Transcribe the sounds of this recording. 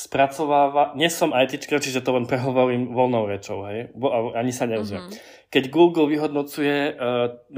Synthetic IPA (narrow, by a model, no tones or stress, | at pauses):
spɾat͡sɔʋaːʋaɲɪɛsɔmʔajt̪it͡ʃkat͡ʃiʒɛt̪ɔlɛnpɾɛɦɔʋɔɾiːmʋɔlnɔʊɾɛt͡ʃɔʊɦɛjɔaaɲisaɲɛzɪɛ̰ | kɛɟɡuːɡlʋiɦɔd̪nɔt͡sujɛ